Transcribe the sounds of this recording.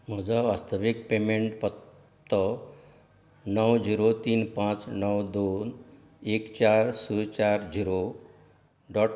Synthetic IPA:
m̤əd͡zaʋast̪əʋik̚pemeɳʈpət̪ː | ə | nəwd͡ʑiɾot̪iːnpãt͡snəwd̪on | ekt͡ɕaɾsut͡ɕaɾd͡ʑiɾo | ɖɔʈ

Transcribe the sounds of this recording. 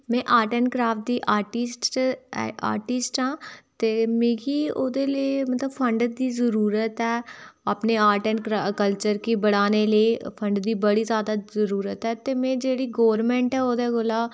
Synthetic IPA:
mɛ̃ːʔaːʈənkɾaːfʈ̚d̪iːʔaːɾʈisʈɛ̰a̰ːɾʈɪsʈãːt̪eːmẽːɡiːoːd̪eːlemət̪ləbpʰə̃ɳɖd̪iːzəɾuːɾət̪ɛːapneːaːɾʈənkɾakəlt͡ʃəɾkiːbəɽaːneːleːpʰə̃ɳɖd̪iːbəɽiːzjaːd̪aːzəɾuːɾət̪ɦɛːt̪eːmɛ̃ːd͡ʒeːɽiːɡɔːɾmɛ̃ːɳʈɛːoːd̪eɡʊlaː

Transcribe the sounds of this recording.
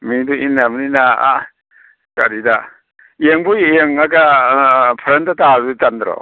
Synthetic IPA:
midɔinːamaninaa | ka̰ɾida | eŋbueŋaɡa | pʰɾentataɾitandɾɔ̰

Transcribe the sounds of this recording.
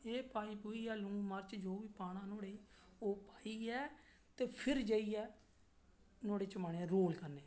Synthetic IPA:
eːpaːiːpuiːɛːlʊ̃ŋɡmaɾt͡ʃd͡ʒoːʋiːpaːɽ̃ãːnoːɽeːoːpaːiːɛː | t̪eːpʰɪɾd͡ʒəiːɛː | noːɽeːt͡ʃəmaːneːɛɾoːlkəɾneː

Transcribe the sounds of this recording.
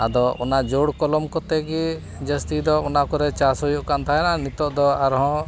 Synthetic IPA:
ad̪ɔʔɔnad͡ʒoɽkɔlɔmkɔt̪ɛɡi | d͡ʒəst̪id̪ɔɔnakɔɾɛt͡ʃasɔjuʔkant̪ʰaɦɛnanit̪ɔʔd̪ɔaɾɦɔ̃

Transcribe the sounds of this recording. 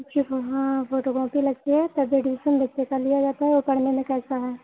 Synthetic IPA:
t͡ʃiɦãfoːʈokɾɔ̃ːpilɐɡt̪eɦɛt̪ɐbeɖisəmbɐtːʃekalijad͡ʒaːt̪aɦɛokɐɽ̤nemẽkɛːsaɦɛː

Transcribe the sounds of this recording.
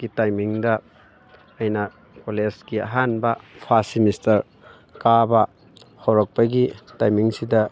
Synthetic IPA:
ɡ̥itajmiŋdɐː | jnɐ | kolesɡiɐɦanbɐpʰasimistɐɾ | kabɐ | howɾɔk̚pɐɡitajmiŋsidɐ

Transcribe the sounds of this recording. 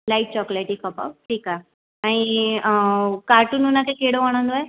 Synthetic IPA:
laiʈ̚t͡ɕɔkleʈikɔpa̰wʈʰiːka | aɽ̃i | kaɾʈununakekeɽoʋəɽ̃ə̃nd̪oe

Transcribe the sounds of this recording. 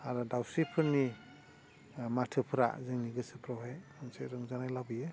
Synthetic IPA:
aɾɔdawsipʰɯɾni | matʰɯpʰɯɾa̰zɯŋniɡɯsɯpɾɔwɦajmɯnseɾɯŋzanajlabɯjɯ

